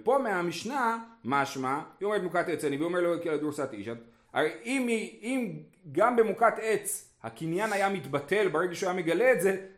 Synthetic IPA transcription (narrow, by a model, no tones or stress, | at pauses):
epo̞meamiʃnamaʃmaiometemukat̪et͡saniviomeʁlokelad̪uɾsat̪ḭʃan | a̰ʁejʔimiim | ɡambemukat̪e̞t͡s | hakinjanajamit̪bate̞lbeʁeɡaʃeajame̞ɡaleːtze̞